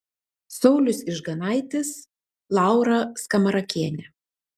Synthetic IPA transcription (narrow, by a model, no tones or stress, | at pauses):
sɒʊlʲʊsɪʒɡɐnɑˑɪt̪ʲɪs | lˠɑˑʊɾɐskɐmɐɾɐkʲiɛnʲɛ